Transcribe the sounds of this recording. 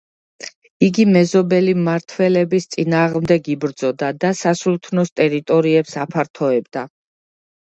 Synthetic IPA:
iɡimɛzɔbɛlimaɾt̪ʰwɛlɛbist̪sʼinaːʁmd̪ɛɡibɾd̪zɔd̪ad̪asasult̪ʰnɔst̪ʼɛɾit̪ʼɔɾiɛpsapʰaɾt̪ʰɔɛbd̪a

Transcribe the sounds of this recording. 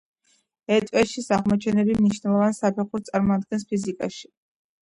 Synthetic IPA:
ɛt̪ʼwɛʃisaʁmɔt͡ʃʰɛnɛbimniʃnɛlˠɔvansapʰɛχuɾt̪sʼaɾmɔad̪̚ɡɛnspʰizikʼaʃi̥

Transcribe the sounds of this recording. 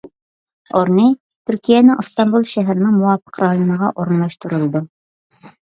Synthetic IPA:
oɾni | t̪ʰyɾkʲʰijɛnɪŋɨst̪ɑnbulˠʃæɦæɾɪnɪŋmuwɑfə̥qɾɑjonəʁɑʔoɾnlˠɑʃt̪uɾulˠd̪u

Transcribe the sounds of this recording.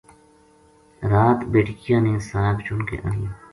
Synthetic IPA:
ɾaːt̪beːʈkijaːneːsaːɦɪbt͡ʃʊnkḛʔa̰ːnijaː

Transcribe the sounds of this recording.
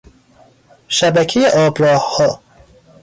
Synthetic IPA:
ʃæbæcʰejeʔɒːbɾɒːhhɒː

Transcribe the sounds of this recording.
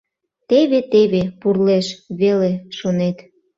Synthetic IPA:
t̪eβet̪eβepurleʃβeleʃonet̪

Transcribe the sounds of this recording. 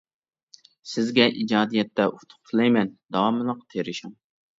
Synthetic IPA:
sɪzɡʲɛʔid͡ʒɑːd̪ijɛt̪ːɛʔut̪ʰʊ̥q̚t̪ʰɨlˠɛjmɛnd̪ɑwɑmɨlˠəqt̪ʰeɾɪʃum

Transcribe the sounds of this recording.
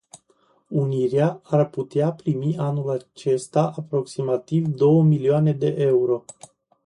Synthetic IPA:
uniɾeaarput̪eapɾimiʔanulat͡ʃe̞st̪aʔapɾo̞ksimat̪ivd̪o̞wəmilioane̞d̪e̞ʔeuɾo̞

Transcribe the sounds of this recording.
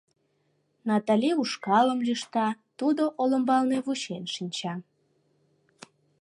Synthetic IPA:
nɑt̪ɑlʲiuʃkɑləmjyʃt̪ɑt̪ud̪oʔoləmbɑlneβuɕenʃinʲt͡ɕɑ

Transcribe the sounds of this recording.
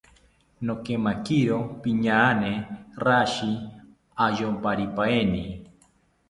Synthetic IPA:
nokemakiɾopiɲaaneraʃi | aʒompaɾipaeni

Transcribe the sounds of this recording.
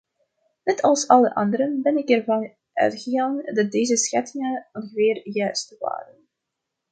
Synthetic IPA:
nɛtʰɑlˠsɑlˠəʔɑ̰ndəɾənbɛnɪkɛrvɑn | ʔœ̰ɥtχəɣaːŋdɑt̚deːzəsxɛtɪŋənɔnɣəʋɪːrjœɥstəʋa̰ːrən

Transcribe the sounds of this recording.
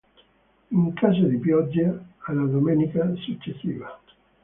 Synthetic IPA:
iŋkʰasad̪ipjɔd͡ʒːealːad̪omɛnikasut͡ʃːesːiːva

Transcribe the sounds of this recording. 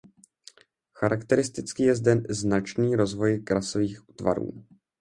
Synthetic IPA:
xaɾakt̪ɛɾɪst̪ɪt͡skijɛzdɛnznat͡ʃniːɾo̞zvo̞jkɾasoviːxuːt̪va̰ɾṵː

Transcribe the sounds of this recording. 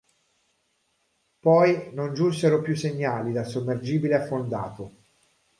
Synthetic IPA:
pɔjnond͡ʒunseɾopjusːeɲːaːlid̪asomːerd͡ʒiːbileafːond̪a̰ːt̪o

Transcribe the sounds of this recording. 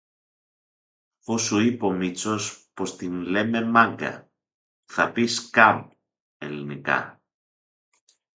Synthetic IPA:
osuipomit͡sospost̪inlememaŋɡɐ̰ | θɐpiskam | elinika̰

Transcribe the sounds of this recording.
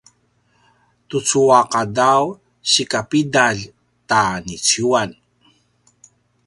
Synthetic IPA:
tut͡suaqadaw | ɕikapidaɮ | tanit͡suan

